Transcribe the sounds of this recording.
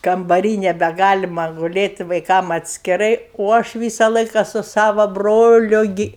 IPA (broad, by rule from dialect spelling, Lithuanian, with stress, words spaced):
kɐmbɐˈrʲiː nʲɛbʲɛˈɡɑːlʲɪmɐ ɡʊˈlʲeːtʲ ʋɐɪˈkɐm ɐtʲsʲkʲɪˈrɐɪ oː ˈɐʃ ˈʋʲiːsɐ ˈlˠɐɪkɐ sʊ ˈsɑːʋɐ ˈbroːlʲʊ ˈɡʲɪ